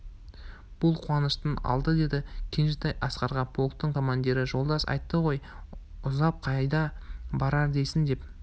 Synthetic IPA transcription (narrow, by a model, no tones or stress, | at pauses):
b̥ʊlˠqʰuwɑnəʃt̪ənɑ̰lˠd̪əd̪e̞d̪ɪkʲʰenʒɪt̪ɑjʔɑsqɑɾʁɑpʰo̞lˠt̪̚t̪ːəɴkʰo̞mand̪iɾɪʒo̞lˠd̪ɑsɑ̰jt̪ːəʁo̞j | ʊzɑp̚qʰɑjd̪ɑbɑɾɑɾd̪e̞jsɪnd̪e̞p